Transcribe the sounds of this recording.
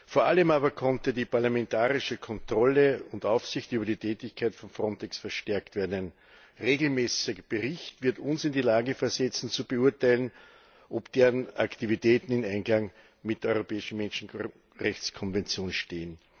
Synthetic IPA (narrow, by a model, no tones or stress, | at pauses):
foːɐʔaləmaːbɐkʰɔntədiːpaɐlamɛntaːʁɪʃəkʰɔntʁ̥ɔləʊndaʊfsɪçtyːbɐdiːtʰɛːtɪçkʰaɪtfɔnfʁɔntɛksfɛɐʃtɛɐktv̥eːɐdn̩æɪn | ʁeːɡl̩mɛːsɪb̥əʁɪçtv̥ɪɐtʊnsɪndiːlaːɡəfɛɐzɛt͡sn̩t͡subəuɐtaɪlən | ʔopd̥eːʁənaktivitʰɛːtn̩ɪnæ̃ɪnɡlaŋ | mɪtdeːɐɔʏʁopɛːɪʃn̩mɛnʃn̩ | ʁɛçt͡skʰɔnvɛnt͡sjoːnʃteːən